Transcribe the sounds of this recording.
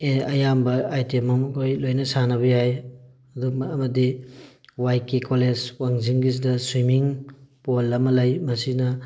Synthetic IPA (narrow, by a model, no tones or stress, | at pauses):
eɐjambɐajtemɐmukʰojlojnɐsanɐβbɐjaj | ɐdumːmɐdi | wajkikolezwaŋziŋɡiz̬idɐswimiŋpolːɐmɐlajmɐsinɐ